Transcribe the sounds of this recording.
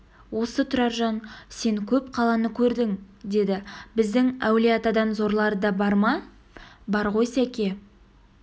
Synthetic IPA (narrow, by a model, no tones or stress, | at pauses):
wo̞sət̪ʰʊɾɑɾʒɑnse̞ŋkʲʰɵp̚qʰɑlˠɑnəkʲʰɵɾd̪ɪŋ | d̪e̞d̪ɪbɪzd̪ɪŋæwleɑt̪ɑd̪ɑnzo̞ɾlˠɑɾd̪ɑbɑɾmɑ | bɑɾʁo̞jsækʲe̞